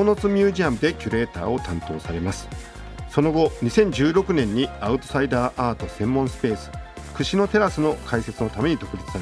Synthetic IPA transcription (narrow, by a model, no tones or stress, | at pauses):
onot͡sɨmʲɨːʑiamɯ̟d̪e̞kʲɨɾe̞ːt̪a̰ːo̞t̪ãnt̪o̞ːsaɾe̞masɨ̥ | so̞no̞ɡo̞ɲ̟isẽ̞ɲ̟d͡ʑɨːɾo̞kɯ̟nẽ̞ɲ̟ːiaɯ̟t̪o̞̥said̪aːʔaːt̪o̞sẽ̞mːõsɨ̥pe̞ːsɨ̥ | kɯ̟ɕino̞t̪e̞ɾasɨno̞kʰaise̞t͡sɨno̞t̪ame̞ɲ̟id̪o̞kɯ̟bʲit͡sɨ̥saɾe